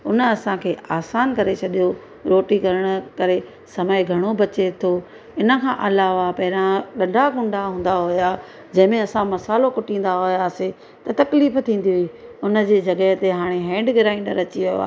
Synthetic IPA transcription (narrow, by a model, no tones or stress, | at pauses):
ʊnə̆ɐsãkʰeːaːsaːnkɐɾet͡ɕʰɐɗijo | ɾoːʈikɐɾəɽ̃əkɐɾe | sɐməɪɡʱɐɽ̃obɐt͡ɕet̪ʰo | ɪnə̆kʰãːʔɐlaːʋapɐɦɪɾãɗɐ̃ɖʱaɡʊ̃ɳɖʱaɦũːn̆d̪aɦʊja | d͡ʑɐ̃ɦɪ̃mẽɐsãmɐsaːlokʊʈĩːn̆d̪aɦʊjaːse | t̪ɐt̪ɐkliːft̪ʰĩːn̆d̪iɦʊiʊnə̆d͡ʑeːd͡ʑɐɡəɦt̪eɦaːɽ̃eɦɛ̃ːɳɖɡɪɾaːĩɳɖəɾɐt͡ɕiʋijo̰a̰ː